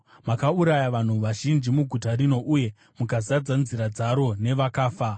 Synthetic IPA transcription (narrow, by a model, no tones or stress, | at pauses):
makauɾajaʋan̤uʋaʒind͡ʒimuɡʱutarino̞ʔuje̞ | mukazad͡zanziɾad͡zaɾo̞ne̞ʋakaːfa